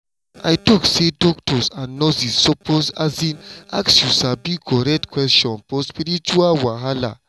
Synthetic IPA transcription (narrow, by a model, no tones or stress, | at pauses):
a̰jtɔksedɔk̚tɔsãnnːɔzisːɔpʰosazĩnaksjusabikɔɾɛk̚tkwɛstɔ̃nfɔspiɾit͡ʃualwaɦala̰